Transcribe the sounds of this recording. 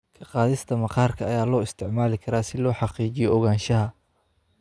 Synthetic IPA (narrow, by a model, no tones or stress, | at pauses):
kʰɐqɑːðɪst̪ʰɐmɐqɑːrkʰɐɐjaːlɔːɪst̪ʰɪʕmaːlɪkʰɐɾaːsɪlɔːħɑqiːt͡ʃɪjɔɔɣaːnʃɐɦɐ